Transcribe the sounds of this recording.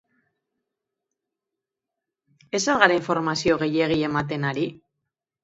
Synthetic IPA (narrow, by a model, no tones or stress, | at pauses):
e̞salɣaɾaiɱfo̞ɾmasio̞ɣ̞e̞je̞ɣ̞ie̞mat̪e̞naɾi